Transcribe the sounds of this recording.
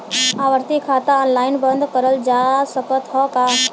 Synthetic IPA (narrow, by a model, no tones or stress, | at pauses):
aːʋəɾt̪ikʰaːt̪aɔːnlaːɪnbə̃nd̪ʱkəɾəld͡ʒasəkət̪ɦɔka